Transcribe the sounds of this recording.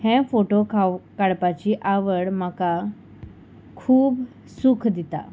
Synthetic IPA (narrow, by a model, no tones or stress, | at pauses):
hɛ̃foʈokʰakaɭpat͡ɕiːʔaʋəɽm̤əka | kʰuːb | sukʰd̪it̪a̰